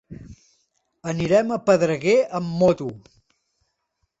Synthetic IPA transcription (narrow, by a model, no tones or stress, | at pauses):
əniɾɛməpəðɾəɣeʔəmːɔt̪u